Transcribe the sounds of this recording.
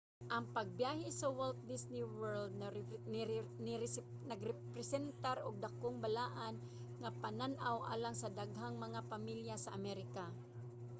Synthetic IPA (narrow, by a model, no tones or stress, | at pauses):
ʔɐŋpaɡ̚bjaːhɪsawɛlt̪̚d̪ɪsnɪwɛɹld̪̚ | nɪɾ | nɐɡɾɛpɾɛsɛnt̪aɾʊɡ̚d̪akoŋbalaːʔan | ŋapananʔawʔa̰ːlaŋsɐd̪aɡɦaŋmɐŋapamiljasaʔamɛɾɪka